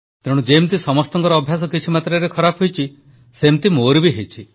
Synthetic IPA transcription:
t̪eɽ̃ud͡ʒemt̪isɔmɔst̪ɔŋkɔɾɔːbʱjas̬ɔkit͡ʃʰimat̪ɾeɾekʰɔɾapʰɦojt͡ʃʰi | semt̪imoɾibiɦet͡ʃʰi

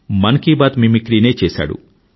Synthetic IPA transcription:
mɐnkiːbaːt̪mimikɾiːneːt͡ʃeːsa̰ːɽṵ

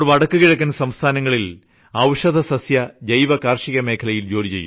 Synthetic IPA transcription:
ɽʋɐɽɐkːukiɻɐk̬ːunsɐmst̪ʰaːnɐŋːɐɭil | ɐwʂɐd̪ɐsɐsjɐdɐjʋɐkaːrʂiɣɐme̞ːkʰɐlɐjild͡ʑoːlit͡ɕḛjːṵ

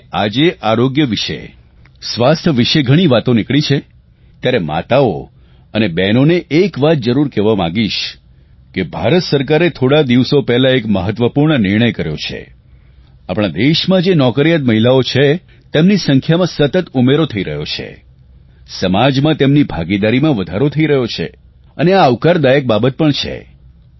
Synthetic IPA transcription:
ad͡ʒeʔaɾoɡjəʋiʃḛ | sʋast̪ʰəʋiʃeɡʱəɽ̃iʋat̪onɪkɭit͡ʃʰe | t̪jaɾema̰t̪ao | ənebɛnoneʔːkʋat̪̚d͡ʒəɾuɾkɛʋamã̰ɡiʃ | kebʱa̰ɾət̪səɾkaɾet̪ʰoɽad̪iʋsopɛɦlãekməɦət̪ʋəpuɾɳənɪɾɳ̃əjkəɾjo̰t͡ʃʰḛ | apɽ̃ãd̪eʃmãd͡ʒenɔkəɾijat̪məɦilaot͡ʃʰe | t̪emnisəŋkʰjamãsət̪ət̪umeɾot̪ʰəiɾəɦjot͡ʃʰḛ | səmad͡ʒmãt̪emnibʱaɡid̪aɾimãʋəd̪ʱaɾot̪ʰəiɾəɦjot͡ʃʰḛ | əneaːʋkaɾd̪ajək̚babət̪̚pəɳt͡ʃʰḛ

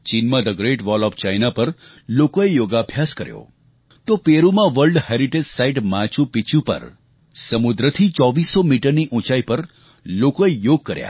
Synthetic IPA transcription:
t͡ʃinmãd̪əɡɾeʈʋɔlɔːft͡ʃajnapəɾ | lokoejoɡabʱjaskəɾjo̰ | t̪opeɾumãʋəɾlɖheɾiʈed͡ʒsaiʈmãt͡ʃũpit͡ʃũpə̰ɾ | səmud̪ɾət̪ʰit͡ʃɔʋisːomiʈəɾniʔũt͡ʃaipəɾ | lokoejoɡ̚kːəɾja̰

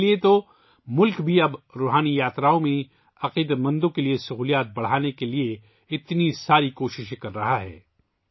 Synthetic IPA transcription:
liet̪o | mʊlkbʱiɐbɾoːɦaːnijaːt̪ɾaːõmẽ | ɐqiːd̪mɐ̃nd̪õkeliesɐɦuːlijaːt̪̚bɐɽ̤aːnekelie | ɪt̪nisaːɾikoːʃɪʃkɐɾːɐɦaɦɛ̰ː

